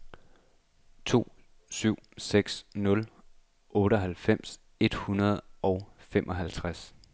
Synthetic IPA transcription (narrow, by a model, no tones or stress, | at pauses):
t͡sʰo̝̰ː | syʊ̰seɡ̥snɔ̽l | ɔ̽ːɾəɦælfem̰s | e̝d̥hunɐð̞̩ˠɒ̽ʊfemʔɒ̽ɦælt͡sʰʁas